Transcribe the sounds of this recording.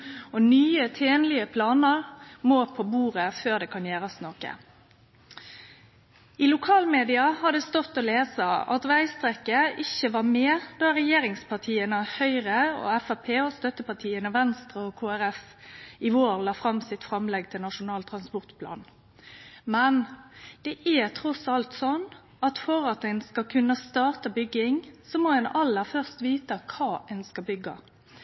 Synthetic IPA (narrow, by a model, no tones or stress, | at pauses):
ɔnyːət̪ʰeːnlɪəpʰlɑːnəʁmoːpʰobuːʁəføːʁd̪ɛːkʰɑnjeːɾɑsnokə̰ | ɪlʊkʰɑːlmeːd̪ɪɑhɑd̪ɛst̪ɔt̪ːɔleːsəɑ̰t̪ʋæɪst̪ʁɛkːəʔɪçəʋɑʁmeːd̪̥ɑɾɛjeːɾɪŋspʰɑʁt̪ʰiːənhœʏʁəɔ̰ɛfæpʰeːɔst̪œt̪əpɑt̪ʰiːənəʋɛnst̪ʁəɔkʰoːæɾɛfɪʋoːɾlɑːfɾɑmːsɪt̪fɾɑmlɛɡ̚t̪ʰɪlnɑʂʊnɑːlt̪ʰɾɑnspɔʁt̪pʰlɑ̰ːn | mɛnd̪̥ɛʔæt̪ʰɾɔsɑlt̪sɔnː | ɑt̪fɔɾɑt̪ænskɑkʰʉnːəst̪ɑːʁt̪ɑbʏɡːɪŋsɔmɔɛnɑlːəɾfœʁst̪ʋiːt̪əkʰɑːɛnskɑbʏɡːɑ̰